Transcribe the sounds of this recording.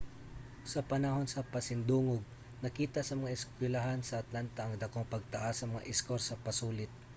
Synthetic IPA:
sɐpɐnɐɦo̞nsɐpɐsɪnd̪uːŋoɡ̚ | nɐkiːt̪ɐsɐmɐŋaʔɪskwɛlɐɦansɐʔɐt̪lant̪ɐʔɐŋd̪ɐkoŋpɐɡ̚t̪ɐʔasɐmɐŋa̰ʔɪskoɾsɐpɐsuːlɪt̪̚

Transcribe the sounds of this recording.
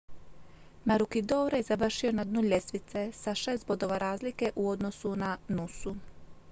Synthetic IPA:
maɾukid̪oːɾjezaʋr̩ʃio̞nad̪nuʎe̞sʋit̪se̞saʃest̪̚bo̞d̪o̞ʋaɾaːzlike̞ʔuo̞d̪no̞sunanusu

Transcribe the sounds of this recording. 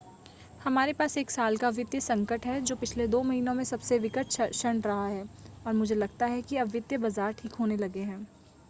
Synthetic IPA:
hɐmaːɾepaːseːksaːlkaʋɪd̪jəsɐ̃ŋkəʈɦɛd͡ʒoːpɪt͡ʃʰled̪oːmɐɦiːnõmẽsɐbseʋɪkəʈʰʃəɳɾɐɦaɦɛːɔːɾmʊd͡ʒʱelɐɡt̪aɦɛkiɐbʋɪd̪jəbɐzaːɾʈʰiːkɦoːnelɐɡeɦɛ̃ː

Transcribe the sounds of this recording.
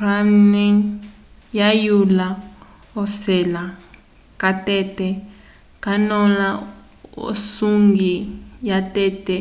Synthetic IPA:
ramniŋ | jajula | ɔsɛla | katɛtɛ | kanɔla | o̰suŋɡijatɛtɛ

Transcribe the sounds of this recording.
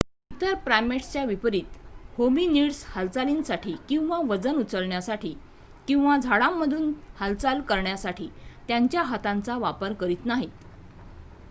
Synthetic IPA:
ut̪əɾpɾajmeʈst͡ɕjaʋipəɾiːt̪hobiniɽshəlt͡salinsaʈʰiːkĩw̃ʋaʋəd͡zənut͡səɭɳjasaʈʰiː | kĩw̃ʋad͡zʱaɽamːəd̪ʱuːnhəlt͡salkəɾɳjasaʈiːt̪jaɲt͡ɕjaɦat̪ãnt͡saʋapəɾkəɾiːt̪naɦit̪

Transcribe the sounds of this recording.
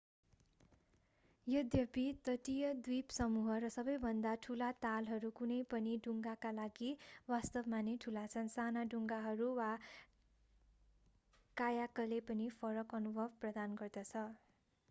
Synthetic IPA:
jʌd̪jʌpit̪ʌʈijʌd̪wipsʌmuɦʌɾʌsʌbʌjbʱʌnd̪aʈʰulat̪alɦʌɾukunʌjpʌniɖuŋɡakalaɡiwast̪ʌbmaneʈʰulat͡sʰʌnsanaɖuŋɡaɦʌɾuwa | kajakʌlepʌnipʰʌɾʌkʌnubʱʌbprʌd̪anɡʌrd̪ʌt͡sʰʌ

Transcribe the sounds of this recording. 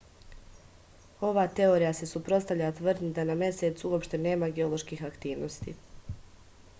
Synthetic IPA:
o̞ʋaːt̪e̞o̞ɾijase̞supɾo̞st̪aʋʎat̪ʋrd̪nid̪anamje̞se̞t̪suo̞pʃt̪e̞ne̞ːmaɡeo̞lo̞ʃkiːxakt̪iːʋno̞st̪ḭ

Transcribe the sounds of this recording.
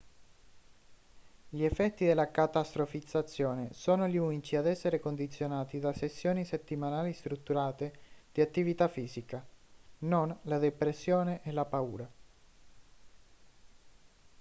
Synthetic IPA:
ʎiɛfːɛt̪ːid̪elːakat̪ast̪ɾofid̪zat̪sːjoːnesoːnoʎiunit͡ʃiad̪ɛsːeɾekond̪it̪sːjonaːt̪id̪asesːjoːniset̪ːimanaːlist̪ɾut̪ːuɾaːt̪ed̪̥iat̪ːivit̪afːiːzikanonlad̪epɾesːjoːneʔelapaṵːɾa

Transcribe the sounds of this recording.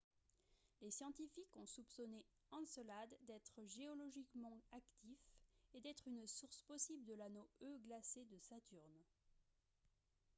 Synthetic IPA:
lesjɑ̃t̪ifikɔ̃supsɔne | ɑ̃sɔlad̪ːɛt̪χəʒeɔlɔʒikmɑ̃akt̪ifed̪ɛt̪χynsuʁspɔsibld̪əlanoøɡlased̪əsat̪yʁn

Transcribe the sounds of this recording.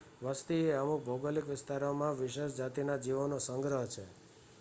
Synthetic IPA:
ʋəst̪ieəmuk̚bʱəwɡəlikʋɪst̪aɾomãʋɪʃeʃd͡ʒat̪inad͡ʒiʋənosə̃ŋɡɾəɦt͡ʃʰe

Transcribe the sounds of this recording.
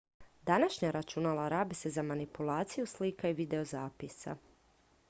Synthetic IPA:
d̪anaʃɲaɾat͡ʃunalˠaɾaːbesezamanipulˠaːt̪sijuslikaiʋid̪e̞ozaːpisa̰

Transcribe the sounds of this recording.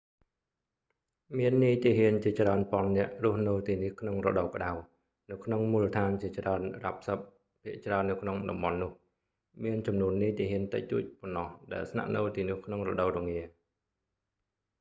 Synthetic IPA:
miənːiːt̪iəɦiənt͡ɕiət͡ɕraənpŏɑənːɛ̆əʔrŭəhnɨwt̪iːnihkʰnoŋrɔ̰ɗɑwkə̆ɗaw | nɨwkʰnoŋmuːlət̪ʰaːnt͡ɕiət͡ɕraənrap̚səp̚ | pʰːiəʔt͡ɕraənːɨwkʰnoŋɗɑmɓɑnːʊ̆əh | miənt͡ɕɑmnuənːiːt̪iəɦiənt̪ɨc̚t̪uəc̚ponːɑhɗaɛlsna̰ʔnɨwt̪iːnʊ̆əhkʰnoŋrɔ̰ɗəwɾɔŋiə

